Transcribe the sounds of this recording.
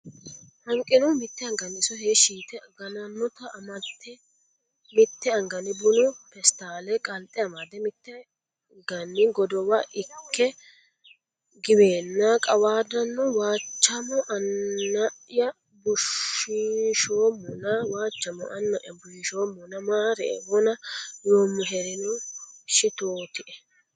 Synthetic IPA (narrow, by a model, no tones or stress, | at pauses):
hɐŋkʼːɪnɔmɪt̪ːɛɐŋɡɐnɪsɔheːʃiːt̪ɛɡɐnɐnːɔt̪ɐʔmɐt̪ːɛ | mɪt̪ːɛɐŋɡɐnɪbʊnʊpɛst̪aːlɛkʼɐlt̪ʼːɛɐmad̪ɛmɪt̪ːɛ | ŋɡɐnːɪɡɔd̪ɔwɐʔɪkːɛ | ɡɪbeːnːakʼɐwaːd̪ɐnːɔwaːt͡ʃːɐmɔʔɐnːɐjɐ | bʊʃɪʃoːmːɔnɐwaːt͡ʃːɐmɔ̰ʔɐnːɐʔjɐbʊʃɪʃoːmːɔnɐmaːɾḛwɔnɐjoːmːɔɦɛɾɪnʊʃɪt̪oːt̪ɪʔɛ